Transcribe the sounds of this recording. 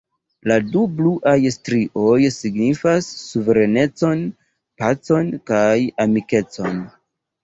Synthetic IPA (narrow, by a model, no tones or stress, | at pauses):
ladubluʔajstɾiʔo̞jsiɡnifasːuveɾe̞ne̞t͡so̞n | pat͡so̞nkajamike̞t͡so̞n